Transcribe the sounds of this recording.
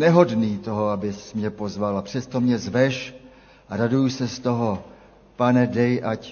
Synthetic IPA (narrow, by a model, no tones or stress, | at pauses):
nɛɦo̞dniːt̪o̞ɦoabɪsmɲɛpo̞zvalapr̝̥ɛst̪o̞mɲɛzvɛʃ | aɾadujusɛst̪o̞ɦo | panɛdɛjʔac